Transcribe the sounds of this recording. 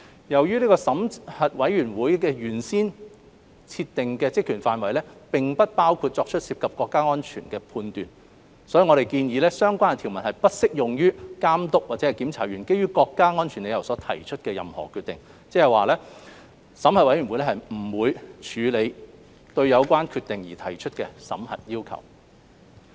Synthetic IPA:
jɐ˨˩wjyː˥liː˥kɔː˧sɐ˨˥mhɐ˨t̚wɐ˨˥jɥyː˨˩nwuː˨˥jkɛː˧jyː˨˩nsiː˥n | t͡sʰi˧t̪ːɪ˨ŋkɛː˧t͡sɪ˥k̚ːʰyː˨˩nfaː˧nwɐ˨jlɛː˥pɪ˨ŋpɐ˥t̚paː˥wkʰuː˧t̚t͡ʃɔː˧k̚t͡ʃʰɵ˥t̚si˧p̚kʰɐ˨p̚kɔː˧kːaː˥ŋɔː˥nt͡ʃʰy̰ː˨˩nkɛː˧pʰuː˧nt̪y̰ː˨n | sɔ˨˥jiː˨ŋɔ˨˧ɾe˨˩jkiː˧njiː˨˧lɛː˥sœː˥ŋkʷaː˥n˨t̪ʰi˨˩wmɐ˨˩nhɐ˨˩jpɐ˥t̚sɪ˥k̚jʊ˨ŋjyː˥kaː˥mt̪ʊ˥k̚waː˨tt͡sɛ˨˥˨jkiː˨˥mt͡sʰaː˨˩jɥyː˨˩nke˥jɥyː˥kɔː˧kːaː˥ŋɔː˥nt͡ʃʰy˨˩nle˨˧jɐ˨˩wsɔː˨˥t̪ʰɐ˨˩jt͡ʃʰɵ˥t̚kɛː˧jɐ˨mhɔ̰ː˨˩kʰy˧t̪ɪ˨˩ŋ | t͡sɛː˥hɐ˨jwaː˨˩lɛː˥ | sɐ˨˥mhɐ˨t̚wɐ˨˥jɥy˨˩wu˨˧jlɛ˥hɐ˨jm̩˨˩wuː˨˧jt͡ʃʰyː˨˧le˨˧j | t̪ɵ˧ɥjɐ˨˧wkʷaː˥nkʰyː˧t̚t̪ɪ˨ŋjiː˨˩t̪ʰɐ˨˩jt͡ʃʰɵ˥t̚kɛː˧sɐ̰˨˥mhɐ̰˨t̚jiː˥wkʰɐ̰˨˩w

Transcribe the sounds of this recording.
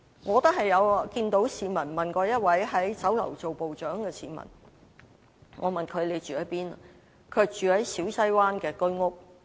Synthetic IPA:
ŋɔː˨˧t̪ɐ˥hɐ˨jːɐ˨˧wkiː˧nt̪o˨˥wsiː˨˧mɐ˨˩nmɐ˨˩nkɔː˧jɐ˥t̚wɐ˨˥jɦɐ˨˥jt͡sɐ˨˥wlɐ̰˨˩wt͡so˨wpo˨wt͡ʃœː˨˥ŋkɛː˧siː˨˥mɐ̰˨˩n | ŋɔ̰ː˨˧mɐ˨nkʰɵ˨˧ɥle˨˧t͡ʃyː˨hɐ˨˥jpiː˥n | kʰœː˧k̚t͡ʃyː˨hɐ˨˥jsiː˨˥wsɐ˥jwaː˥nkɛː˧kɵ˥ɥŋʊ˥k̚

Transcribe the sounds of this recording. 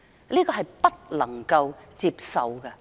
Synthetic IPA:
liː˥kɔː˧ɦɐ˨jpɐ˥t̚lɐ˨˩ŋkɐ˧wt͡siː˧p̚sɐ˨wkɐ˧

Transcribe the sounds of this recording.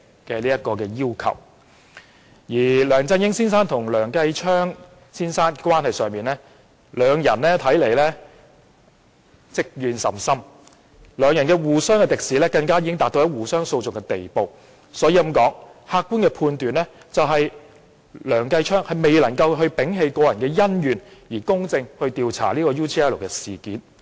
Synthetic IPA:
kɛː˧liː˥jɐ˥t̚kɔː˧kɛː˧jiː˥wkʰɐ̰˨˩w | jiː˨˩lœː˨˩ŋt͡sɐ˧njɪ˥ŋsiː˥nsaː˥nt̪ʰʊ˨˩ŋlœː˨˩ŋkɐ˧jt͡ʃʰœː˥ŋ | siː˥nsaː˥nkʷwaː˥nhɐ˨jsœː˨ŋmiː˨˩nlɛː˥ | lœː˨˧ŋjɐ˨˩nlɛː˥t̪ʰɐ˨˥jle˨˩jlɛː˥ | t͡sɪ˥k̚jyː˨nsɐ̰˨˩msɐ˥m | lœː˨˧ŋjɐ˨˩nkɛː˧wuː˨˩sœː˥ŋkɛː˧t̪ɪ˨k̚siː˨˥lɛː˥kɐ˧ŋkaː˥ji˨˧kɪ˥ŋt̪aː˨t̪̚o˧jɐ˥wuː˨˩sœː˥ŋso˧wt͡sʊ˨kɛ˧t̪e˨jpo˨˧w | sɔː˨˥jiː˧˩˨mkɔː˨˥ŋhaː˧kːuː˥nkɛː˧pʰuː˧nt̪yː˨˩nlɛː˥ | t͡sɐ˨wɦɐ˨j | lœː˨˩ŋkɐ˧jt͡ʃʰœː˥ŋhɐ˨jme˨jlɐ˨˩ŋkɐ˧wɦɵ˧ɥpɪ˨˥ŋɦe˨˧jkɔː˧jɐ˨˩nkɛː˧jɐ˥njyː˨˩njiː˨˩kʊ˥ŋt͡sɪ˧ŋhɵ˧ɥt̪iː˨˧wt͡sʰa̰ː˨˩liː˥kɔː˧juː˥t̪ʰi˧ɛː˥lo˨˩kɛː˧siː˨kiː˨˥n

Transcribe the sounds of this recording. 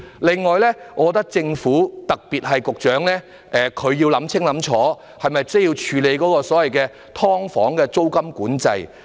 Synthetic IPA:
lɪ˨ŋːɔː˨jlɛː˥ŋɔː˨˧kɔ˧t̪ɐ˥k̚t͡sɪ˧ŋfuː˨˥t̪ɐ˨k̚piː˨˩t̚ɦɐ˨jkʊ˨k̚t͡ʃœː˨˥ŋlɛː˥ | ʔɛ˨kʰɵ˨˧ɥji˧wlɐ˨˥mt͡sʰɪ˥ŋlɐ˨˥mt͡ʃʰɔː˨˥ | hɐ˨jmɐ˨jt͡sɐ˥jiː˧wt͡ʃʰyː˨˧le˨˧jkɔː˨˥kɔː˧sɔː˨˥wɐ˨jkɛː˧ | t̪ʰɔː˥ŋfɔ̰ː˨˥ŋkɛː˧t͡so˥wkɐ˥mkuː˨˥nt͡sɐ˧j

